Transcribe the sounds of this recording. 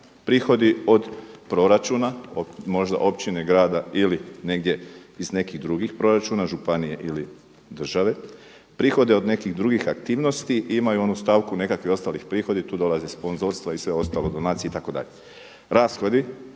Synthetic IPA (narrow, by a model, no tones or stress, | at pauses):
pɾiːxo̞d̪io̞d̪pɾo̞ɾat͡ʃuːnaomo̞ʒd̪a̰ʔo̞pt͡ʃineɡɾaːd̪ailine̞ɡ̚d̪je̞izne̞kiɣd̪ɾuɡixpɾo̞ɾat͡ʃuːnaʒupanije̞ʔili | d̪r̩ʒaʋe̞ | pɾiːxo̞d̪e̞o̞d̪ne̞kiɣd̪ɾuɡixak̚t̪iːʋno̞st̪iimajuo̞nust̪aʋkune̞kakʋio̞st̪alixpɾiːxo̞d̪it̪uːd̪o̞lˠazespo̞nzo̞ɾst̪ʋaisʋe̞o̞st̪aːlo̞d̪o̞naːt̪sieit̪ako̞d̪a̰ʎe | ɾaːsxod̪i